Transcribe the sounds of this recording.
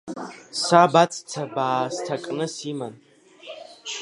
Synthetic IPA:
sabat͡sʼt͡sʰabaːstʰakʼnɨsiman

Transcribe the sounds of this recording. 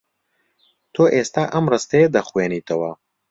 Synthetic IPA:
t̪ʰoːʔeːst̪aːʔɐmrɨst̪ɐjed̪ɐxweːniːt̪ʰɐwɐ

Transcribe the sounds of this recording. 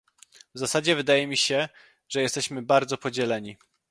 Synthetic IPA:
vzasad͡ʑɛvɘd̪ajɛmʲiɕɛ | ʐɛjɛst̪ɛɕmɘbaɾd̪zɔpɔd͡ʑɛlɛɲi

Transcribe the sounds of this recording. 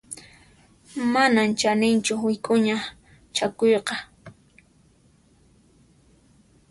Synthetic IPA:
manant͡ʃanɪnt͡ʃʊwɪkʼʊɲa | t͡ʃakojqɑ

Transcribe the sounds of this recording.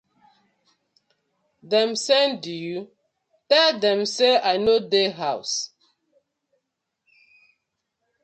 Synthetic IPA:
dɛ̃msɛnduju | tɛldɛ̃mseaɪnodeɦaʊs

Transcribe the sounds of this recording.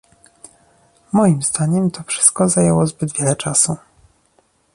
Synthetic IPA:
mɔjimzd̪aɲɛmt̪ʰɔfʂɘ̥st̪̚kɔzajɛwɔzbɘd̪vʲjɛlɛt͡ʂasu

